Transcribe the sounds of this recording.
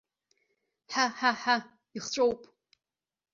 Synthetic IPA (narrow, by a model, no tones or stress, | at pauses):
ħaħaħa | iχt͡ɕʷʼowpʼ